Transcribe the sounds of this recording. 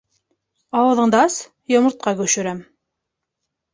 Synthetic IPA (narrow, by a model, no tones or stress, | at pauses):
ɑwɤ̆ðɤ̆ɴd̪ɑs | jŏmɤ̆ɾt̪̚qɑkɵ̆ʃɵ̆ɾæm